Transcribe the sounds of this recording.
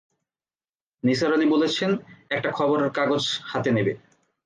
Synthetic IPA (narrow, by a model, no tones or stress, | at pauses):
nisaɾalibolet͡ɕʰenɛk̚ʈakʰɔboɾeɾkaɡod͡ʑhat̪enebe